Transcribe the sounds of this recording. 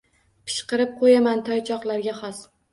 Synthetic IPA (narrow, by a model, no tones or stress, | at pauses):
pʰɪ̥ʃqɨɾɪp̚qʰojamant̪ʰɒjt͡ʃʰɒqlˠaɾɡʲaχɒs